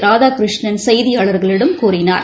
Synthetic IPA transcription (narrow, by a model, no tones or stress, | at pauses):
ɾaːðaːkɾɪʂɳɐnsɐjðɪjaːɭɐɾɣɐɭɪɽɐmkuːrɪna̰ːɾ